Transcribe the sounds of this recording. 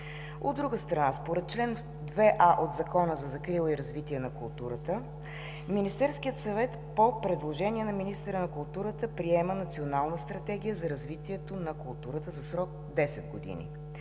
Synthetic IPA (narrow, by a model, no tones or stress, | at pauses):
o̰d̪ːɾuɡəst̪ɾɐnaspoɾɛt̪̚t͡ʃlɛn | d̪vɛʔaʔod̪zɐkɔnəzɐzɐkɾilˠiɾɐzvit̪iɛnɐkʊlˠt̪uɾət̪ə | minist̪ɛɾskiət̪sɐvɛt̪ | popɾɛd̪lˠoʒɛniɛnɐminist̪əɾənɐkʊlˠt̪uɾət̪əpɾiɛmənɐt̪sionalˠnəst̪ɾɐt̪ɛɡ̟ʲijəzɐɾɐzvit̪iɛt̪onɐkʊlˠt̪uɾət̪əzɐsɾɔk̚ | d̪ɛsɛd̪̚ɡod̪ḭnḭ